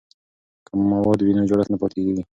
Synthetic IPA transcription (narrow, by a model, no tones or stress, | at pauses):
kəmːawɑd̪winɑd͡ʒoɽat̪napɑt̪eɡeɡi